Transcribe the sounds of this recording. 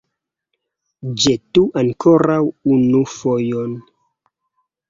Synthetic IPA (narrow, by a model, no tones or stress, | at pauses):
d͡ʒetuʔaŋkʰoɾawunufojon